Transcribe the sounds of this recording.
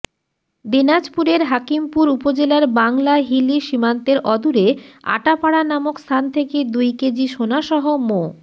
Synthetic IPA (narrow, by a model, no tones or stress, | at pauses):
d̪inad͡ʑpuɾeɾɦakimpuɾupod͡ʑelaɾbaŋlaɦiliʃimant̪eɾʔɔd̪uɾea̰ʈapaɽanamokst̪ʰant̪ʰeked̪ujked͡ʑiʃonaʃɔɦomo